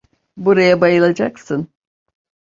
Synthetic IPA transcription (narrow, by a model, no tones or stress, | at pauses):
buɾajabajɯlˠad͡ʒaksɯn